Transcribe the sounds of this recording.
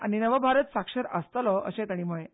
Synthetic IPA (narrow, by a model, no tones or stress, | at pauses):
añinəʋəbʱaɾət̪sakʂəɾəst̪əlɔʔə̰ɕẽt̪aɽ̃im̤əɭẽ